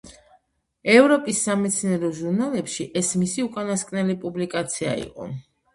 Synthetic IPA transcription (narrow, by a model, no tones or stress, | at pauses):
ɛvɾɔpʼisːamɛt̪sʰnɛɾɔʒuɾnalɛpʃiʔɛsmisiukʼanaskʼnɛlipʼublikʼat̪sʰia̰ḭqʼɔ̰